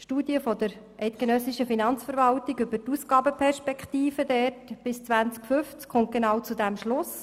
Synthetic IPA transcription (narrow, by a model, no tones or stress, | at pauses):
ʃtuːdjəfɔd̪əɾ | ʔɛɪt̚ɡ̥enœsiʃəfinɑnt͡sfəɾʋɑltiɡʏbətusɡ̥ɑːbəpʰɛrʃpɛkχt̪iːfədɛrtb̥ɪst͡sʋænt͡skfʏft͡skχʊnt̚ɡ̥enɑːwt͡sud̪æmʃlʊs